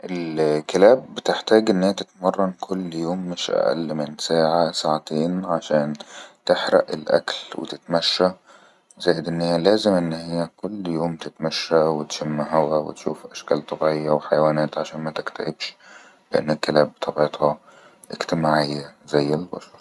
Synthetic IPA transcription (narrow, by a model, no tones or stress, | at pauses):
ʔɪlkælæːbːɪt̪ɪħt̪æːɡʔɪnːɪjːæt̪ɪt̪mɑrˤːɑnkʰʊlːjoːmːɪʃʔæ̰ʔæ̰lːmɪnsaːʕasaːʕat̪eːnʕaʃæːnt̪ɪħɾæ̰ʔḛlʔæ̰klwḛt̪ɪt̪mæʃːæ | zæːjɪd̪ʔɪnːhejːælæːzɪmʔɪnːhɪjːækolːjoːmt̪ɪt̪mæʃːæwɪt̪ʃæmːaɦæwæwɪ̰t̪ʃuːfʔæʃkæːlt̪ˤɑbʕejːɑweħajwæːnæːt̪ʕaʃæːnmæt̪ɪkt̪æʔɪbʃ | lɪʔa̰nːɪlkælæːbt̪ʰɑbet̪ˤhɑ | ʔɪkt̪ɪmaːʕɪjːæzæjːɪlbɑ̰ʃɑɾˤ